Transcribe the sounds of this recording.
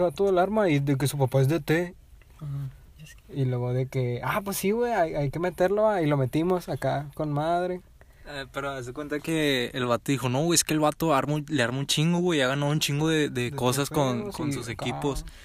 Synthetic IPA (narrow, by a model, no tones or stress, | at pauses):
βat̪oðelaɾmaid̪ek̬e̞sup̬apae̞zðet̪e | ilweɣoðekeap̬wesːiɣwejajajke̞me̞t̪eɾloailo̞me̞t̪imo̞sakakonmað̞ɾe | peɾoaaz̬ekwent̪akeːlβat̪oðixo̞no̞weeskeːlβat̪oaɾmuleaɾmunt͡ʃiŋɡoɣweiaɣanaðount͡ʃiŋɡoðeðeko̞saskonkonsusekipo̞s